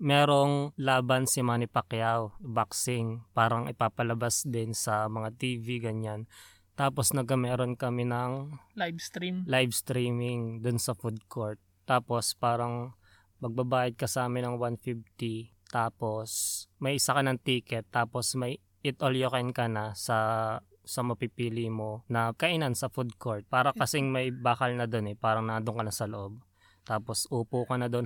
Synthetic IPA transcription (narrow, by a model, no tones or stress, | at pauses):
mɛːɾo̞ŋlaːbɐnsɪmaːnɪpɐkjawbaksɪŋpaːɾɐŋɪpaːpɐlɐbasd̪ɪnsɐmɐŋat̪iːviɡɐɲan | t̪aːposnɐɡkɐmɛːɾonkɐmɪnɐŋ | t̪ɾimlajvst̪ɾiːmɪŋd̪ʊnsɐfud̪̚kʰoɹt̪̚ːaːpo̞spaːɾɐŋ | mɐɡ̚bɐbaːjɐd̪̚kɐsɐaːmɪnɐŋwanfift̪i | t̪aːpo̞smɐjʔɪsakɐnɐŋt̪iːkɛt̪ːaːpo̞smɐj | ɪt̪ʔoljokɐjnkɐnɐsɐ | sɐmɐpipiːlimo̞nɐkɐʔɪnansɐfud̪̚koɹt̪̚paːɾɐkɐsɛŋmɐjbaːkɐlnɐd̪o̞nɛpaːɾɐŋnɐd̪oŋkɐnɐsɐloʔob̚ | t̪aːpo̞sʔuːpuːkɐnɐd̪o̞n